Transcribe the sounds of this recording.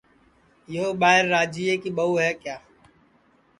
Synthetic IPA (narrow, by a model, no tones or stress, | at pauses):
jooːɓaːɦɪɾːaːd͡ʒiːeːkiːɓəuːɦɛːkjaː